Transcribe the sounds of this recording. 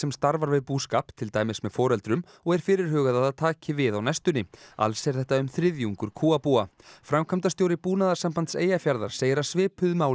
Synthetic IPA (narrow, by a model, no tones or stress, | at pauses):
sɛmst̪aɾvaɾvɪðpuːskaːpt̪ʰɪlt̪aːjmɪsmɛðfɔːɾɛlt̪ɾʏm | ɔɣɛɾ̥fɪːɾɪɾ̥ɦœːɣaðaðaðt̪ʰaːcɪvɪðawnɛst̪ʏnːɪa̰lsɛɾθɛht̪aʏmθɾɪðjuŋkʏɾ̥kʰuːapuːafɾamkʰamt̪ast̪joːwɾɪpuːnaðaɾ̥sampant̪sḛːjafjaɾða̰ɾ̥seːjɪɾasvɪːpʏðmaːw